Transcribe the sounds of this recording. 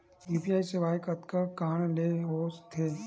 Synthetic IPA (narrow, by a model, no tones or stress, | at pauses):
juːpiaːiseʋaːjkət̪kəkaːɽ̃leɦoːst̪ʰeː